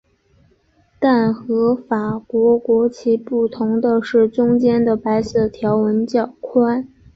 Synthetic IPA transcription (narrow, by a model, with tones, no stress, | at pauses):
t̪a˥˩nxɤ˧˥fa˨˩kwɔ˧˥kwɔ˧˥t͡ɕʰi˧˥pu˥˩t̪ʰʊ˧˥ŋd̪ə˧ʂɻ̩˥˩ʈ͡ʂʊ˥ŋt͡ɕjɛ˥nd̪ə˨pa˧˥ɪsɤ˥˩t̪ʰjɑ˧˥ʊwə˧˥nt͡ɕjɑ˥˨˩ʊkʰwa˥n